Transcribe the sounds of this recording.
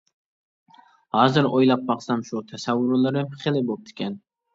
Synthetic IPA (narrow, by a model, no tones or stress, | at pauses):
hɑːzɪɾojlˠɑq̚bɑqsɑmʃut̪ʰæsawːʊɾlˠɪɾɪpʰɪχɪlˠɪbop̚t̪ʰɪ̥kʲʰɛn